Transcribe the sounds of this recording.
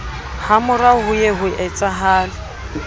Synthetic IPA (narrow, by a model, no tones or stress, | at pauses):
hamʊraɦʊjeɦʊʔɛt͡sʼaɦaːlɪ